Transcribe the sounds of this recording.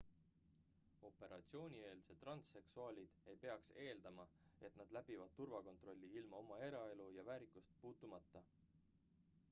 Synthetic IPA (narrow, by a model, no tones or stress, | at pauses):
o̞pe̞ɾʔɑ̰t̪sio̞ːnʲie̞ːlset̪ːˑrɑnt̪se̞ksuɑːlʲid̪̥e̞jpe̞ɑkse̞ːld̪̥ɑmɑe̞t̪nɑd̪læb̥ivɑd̪̥̚t̪urvɑko̞nt̪ro̞lʲːiilmɑo̞mɑe̞ɾɑe̞lujɑvæːɾikːˑust̪̚puːt̪ːˑumɑt̪ːˑɑ